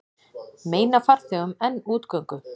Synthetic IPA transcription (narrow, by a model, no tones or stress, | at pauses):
meːjnafar̥θɛʏmɛnːuːt̪kœɥŋkʏ